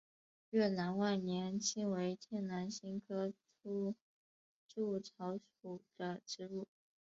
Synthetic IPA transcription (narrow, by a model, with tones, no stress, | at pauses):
ɥɛ˥˩na˧˥nwa˥˩nnjɛ˧˥nt͡ɕʰi˥ŋwe˧˥ɪt̪ʰjɛ˥˩nna˧˥nɕi˥ŋkʰɤ˥ʈ͡ʂu˥ | ʈ͡ʂu˥˩ʈ͡ʂʰɑ˧˥ʊʂu˨˩d̪̥ə˦ʈ͡ʂɻ̩˥lu˥˩